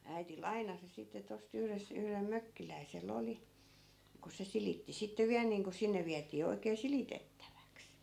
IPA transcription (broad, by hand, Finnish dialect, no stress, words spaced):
æiti lɑinɑsi sitːe tost yhres yhrem møkːilæiselː oli ku se silitːi sitːe ʋiæl niːŋko sinːe ʋiætiː oikeː silitetːæʋæks